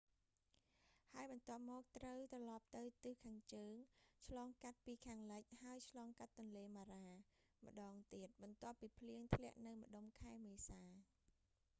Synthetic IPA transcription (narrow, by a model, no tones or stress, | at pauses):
haəjɓɑnt̪ŏəp̚mɔːk̚t̪rəwt̪rɑlɑp̚t̪ɨwt̪ɨhkʰaːŋt͡ɕəːŋt͡ɕʰlɑːŋkat̪̚piːkʰaːŋləc̚haəjt͡ɕʰlɑːŋkat̪ːʊ̆nleːmaːɾaː | mə̆ɗɑːŋt̪iət̪̚ɓɑnt̪ŏəpːiːpʰliəŋt̪ʰlɛ̆əʔnɨwmə̆ɗomkʰaɛmeːsaː